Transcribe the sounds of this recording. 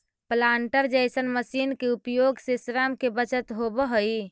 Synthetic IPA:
plaɳʈəɾd͡ʒəjsənməsinkeupjoɡsisɾamkebət͡ʃət̪ɦobəɦəj

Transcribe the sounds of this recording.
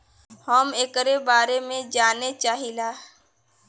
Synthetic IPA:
həmeːkɾeːbaːɾemẽd͡ʒaːnet͡ʃaːɦilaː

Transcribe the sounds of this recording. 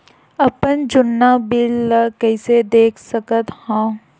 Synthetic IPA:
ɐpənd͡ʒʊnːabɪlkɛɪsed̪eːkʰsəkət̪hãː

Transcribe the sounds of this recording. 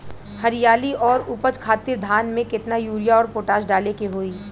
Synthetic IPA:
hɐɾijaːliʔɔːɾʊpət͡ʃkʰaːt̪ɪɾd̪ʱaːnmẽkɪt̪najuːɾijaɔːɾpoːʈaːʃɖaːlekeɦoːiː

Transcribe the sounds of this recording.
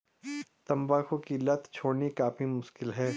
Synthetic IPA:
t̪ɐ̃mbaːkʰõkilɐt̪ʰt͡ʃʰoːnikaːfimʊʃkɪlɦɛː

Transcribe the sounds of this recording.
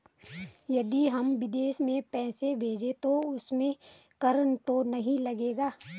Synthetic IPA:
jɐd̪iɦɐmʋɪd̪eːʃmẽpɛːsebʱeːd͡ʒet̪oʊsmẽ | kɐɾənt̪onɐɦĩlɐɡeːɡaː

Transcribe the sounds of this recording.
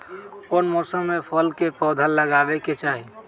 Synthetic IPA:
konmɔsəmːepʰəlkepɔd̪ʱəlːəɡabɛket͡ʃaɦi

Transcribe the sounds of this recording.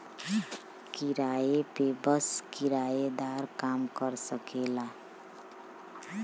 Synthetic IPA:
kiɾajepebəskiɾajed̪aɾkamkəɾsəkela

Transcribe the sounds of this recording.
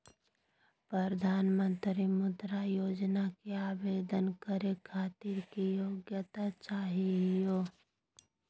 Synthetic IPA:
pɾəɾəd̪ʱaːnmə̃nt̪ɾimʊ̃d̪ɾajoːd͡ʒnakeaːbeːd̪ənkəɾekʰaːt̪iɾkijoːɡjət̪at͡ʃaːɦiɦjoː

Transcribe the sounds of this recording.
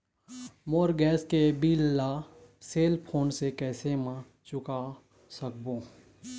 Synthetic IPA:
moːɾɡɛːskebiːlːaseːlpʰoːnsekɛːsemã | t͡ʃʊka | sək̚bõː

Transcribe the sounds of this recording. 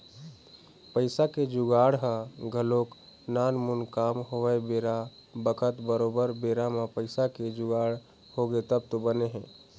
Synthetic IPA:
pəɪsaked͡ʒʊɡaɽɦəɡʱəlok | nanmunkamɦoʋəebeɾabəkʰət̪bəɾobəɾbeɾamepəɪsaked͡ʒʊɡaɽ | hoɡet̪əb̚t̪obəneɦɛ̃ː

